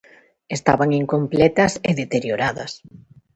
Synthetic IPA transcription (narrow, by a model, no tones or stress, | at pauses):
est̪aβaŋiŋkomplɛt̪ɐseðet̪eɾjoɾaðɐ̰s